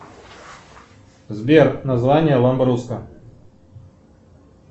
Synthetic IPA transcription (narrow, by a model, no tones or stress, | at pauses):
zbʲernazvanʲɪjəlˠɐmbɾuskə